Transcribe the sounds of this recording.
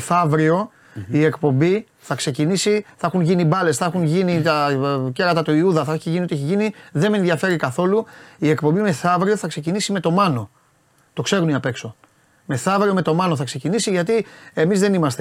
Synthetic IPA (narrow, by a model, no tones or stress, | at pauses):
θɐvɾio̞ | ie̞kpo̞mbi | θɐkse̞cinisiθɐɐxunʝinibɐle̞sθɐxunʝinit̪ɐceɾɐt̪ɐt̪oiuðɐθɐeçiʝiniot̪ieçiʝiniðe̞menðʝɐfe̞ɾikɐθo̞luiekpo̞mbime̞θɐvɾio̞θɐkse̞cinisime̞t̪o̞mɐno̞ | t̪o̞kse̞ɾuniɐpe̞kso̞ | me̞θɐvɾio̞me̞t̪o̞mɐno̞θɐkse̞cinisiʝɐt̪ie̞mizðe̞nimɐst̪e